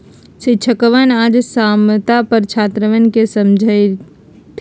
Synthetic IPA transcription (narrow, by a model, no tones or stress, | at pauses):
siʃʰəkəʋanad͡ʒsamt̪apəɾt͡ʃʰaːt̪ɾəʋənkesəmd͡ʒʱəj | t̪ʰ